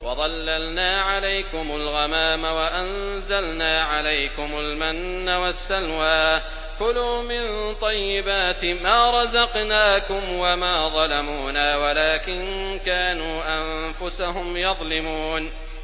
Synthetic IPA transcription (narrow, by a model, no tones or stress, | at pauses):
wɑðˤɑlːalnaːʕalajkʊmʊlɣamaːmawaʔan | zalnaːʕalajkʊmʊlmanːawasːalwaː | kʊluːmɪnt̪ˤɑjːɪbaːt̪maːɾˤɑzɑqnaːkʊmwamaːðˤɑlamuːnaːwalaːkɪn | kaːnuːʔam | fʊsaɦʊmjɑðˤlɪmuːn